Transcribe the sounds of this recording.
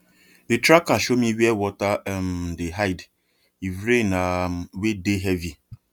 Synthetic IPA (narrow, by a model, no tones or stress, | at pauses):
detɾakːaʃomiwiɛwɔtaɛm̩deɦaɪd | ivɾenamwedeɦɛvi